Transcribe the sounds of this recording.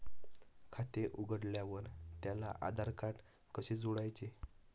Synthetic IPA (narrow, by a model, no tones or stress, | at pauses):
kʰat̪eʔuɡəɽljaʋəɾt̪jalaʔa̰d̪ʱaɾkaʈ | kəɕed͡zuɽajt͡ɕe